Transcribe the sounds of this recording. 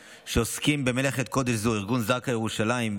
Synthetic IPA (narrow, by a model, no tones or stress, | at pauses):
ʃeoskimbe̞meleχet̪̚ko̞d̪eʃzuiʁɡunzakajeʁuʃalaim